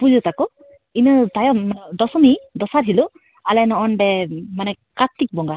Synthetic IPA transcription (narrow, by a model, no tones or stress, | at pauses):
pud͡ʒɯt̪akɔ | inɯt̪ajɔmd̪ɔsɔmid̪ɔsaɾɦilu | alɛnɔʔɔnɖɛmanɛ | kat̪ːik̚bɔŋɡa